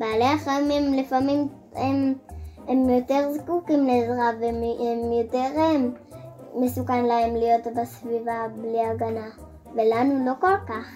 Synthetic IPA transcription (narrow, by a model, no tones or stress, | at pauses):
baːleaχaimemlifamim | ememjo̞te̞ʁzkukimlezʁavmemjo̞teʁeː | e̞sukanlae̞mlijo̞tbasvivabliaɡana | ve̞lanulo̞ko̞lkaχ